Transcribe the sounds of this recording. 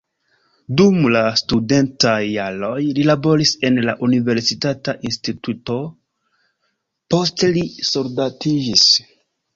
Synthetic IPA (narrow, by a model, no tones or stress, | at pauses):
dumlastude̞ntajːalo̞jlilabo̞ɾise̞nla̰ʔunive̞ɾsitataʔinstituto̞ | po̞ste̞lisoɾdatid͡ʒis